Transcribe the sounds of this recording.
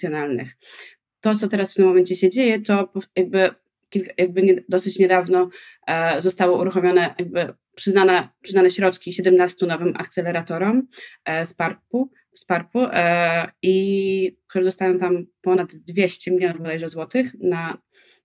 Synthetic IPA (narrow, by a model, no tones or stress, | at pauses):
sʲjɔnalnɘ̰x | t̪ɔt̪sɔt̪ɛɾasft̪ɘmːɔmɛɲt͡ɕɛɕɛd͡ʑejɛt̪ɔpɔjaɡ̚bɘ | kʲilkajaɡ̚bɘɲɛd̪ɔsɘt͡ɕɲɛd̪avnɔ | zɔst̪awɔuɾuxɔmʲjɔnɛjaɡ̚bɘ | pʂɘznanɛpʂɨznanɛɕɾɔt̪kʲiɕɛd̪ɛmnast̪unɔvɘmʔa̰kt̪sɛlɛɾat̪ɔɾɔmspaɾpu | spaɾku | ikt̪uɾɛd̪ɔst̪ajɔ̃w̃t̪ampɔnad̪d̪vʲjeɕt͡ɕɛmʲilʲjɔnufbɔlɛjʐɔzwɔt̪ɘxna